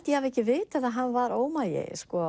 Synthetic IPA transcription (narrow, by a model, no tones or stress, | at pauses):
t̪jɛhavɛhcːɪvɪːt̪aðaðɦanːvaɾoːwmajɪ̰skɔ